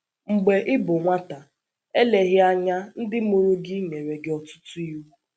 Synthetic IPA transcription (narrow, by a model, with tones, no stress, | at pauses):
ŋ͡m̩˨ɡ͡be˨ʔɪ˦bʊ˨ŋʷa˦ta˨ | e˦le˨ɦɪ˦a˦ɲa˦n̩˦dɪ˦mo˨ɾu˦ɡɪ˦ɲe˨ɾe˨ɡɪ˦ɔ˨tʊ̥˦tʊ˦i˦wu˦